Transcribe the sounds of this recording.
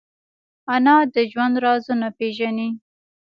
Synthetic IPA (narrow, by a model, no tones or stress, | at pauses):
anɑd̪əʒwand̪ɾɑzunapeʒani